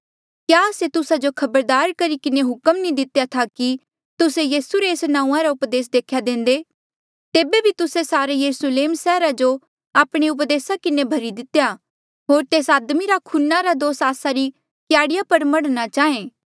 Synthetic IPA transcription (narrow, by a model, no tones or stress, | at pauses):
kjaːset̪ʊsad͡ʒokʰɐbəɾd̪aːɾkɐɾikɪneɦʊkəmnĩd̪ɪt̪jat̪ʰaki | t̪ʊsejiːsuɾeːsnãːũãɾaʊpd̪eːs̬d̪eːkʰjad̪ẽːn̆d̪e | t̪eːbebʱit̪ʊsesaːɾejɐɾusleːmsɛːɾad͡ʒo | aːpɽ̃eʊp̬d̪eːsakɪnebʱɐɾid̪ɪt̪eja | ɦoːɾt̪eːsaːd̪miɾakʰʊnːaɾad̪oːsaːsaɾi | kjaːɽɪjapɐɾmɐɽnat͡ʃaːẽː